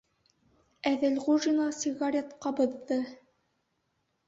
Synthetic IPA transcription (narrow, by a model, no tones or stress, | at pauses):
æðɘlʁuʒinɑsiɣɑɾʲet̪qɑbŏðːɤ